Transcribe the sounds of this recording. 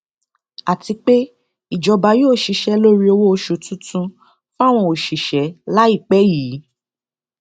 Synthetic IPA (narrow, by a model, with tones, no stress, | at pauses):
a˨ti˧k͡pe˦ | i˦˨d͡ʒɔ˧ba˨˧jo˦˨ʃi˧ʃɛ˧˦lo˦ɾi˦o˧wo˦o˧ʃo˧˨tũ˦tũ˧ | fa˦˨w̃ɔ̃˧˨o˨ʃi˨ʃɛ˨˦la˦i˦˨k͡pɛ˨˦jiː˨˦